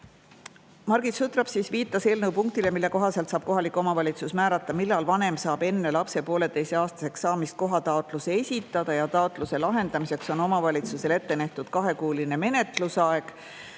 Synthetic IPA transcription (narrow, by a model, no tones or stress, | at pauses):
mɑrɡit̪sut̪rɑb̥sisviːt̪ːˑɑse̞ːlnɤwpuŋk̚t̪ile̞milːe̞ko̞ɦɑse̞lt̪sɑːb̥ko̞ɦɑlikːˑuo̞mɑvɑlʲit̪susmæːɾɑt̪ːˑɑmilːɑlvɑne̞msɑːb̥e̞nːe̞lɑpse̞po̞ːle̞t̪ejse̞ɑːst̪ɑ̥se̞ksːɑːmist̪̚ko̞ɦɑt̪ɑot̪ˑluseesʲit̪ːˑɑd̪̥ɑjɑt̪ɑot̪ˑluse̞lɑɦe̞nd̪ɑmise̞kso̞no̞mɑvɑlʲit̪suse̞le̞t̪ːe̞næht̪ud̪̥kɑɦe̞kuːline̞me̞ne̞t̪ˑlusɑe̞ɡ̥